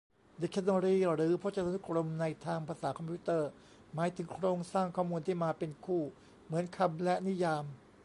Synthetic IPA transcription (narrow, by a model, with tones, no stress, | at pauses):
di˨˧˩kʰːa˧˥nɔ˧ɾiː˥˩ɾɯː˩˦pʰɔ˦˥t͡ɕa˧a˧nu˦˥kɾo˧mna˧jt̪ʰaː˧ŋpʰɾaː˧saː˩˦kʰɔ˧mpʰi˦˥t̪ɤː˥˩ | maː˩˦jt̪ʰɯ˩˦ŋkʰɾoː˧ŋsaː˥˩ŋkʰɔː˥˩muː˧nt̪ʰiː˥˩maː˧pe˧nkʰuː˥˩ | mɯ˩˦ənkʰa˧mlɛ˦˥ni˦˥jaː˧m